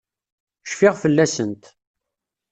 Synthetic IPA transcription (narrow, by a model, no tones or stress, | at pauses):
ʃfɪʁfəlːæsənt̪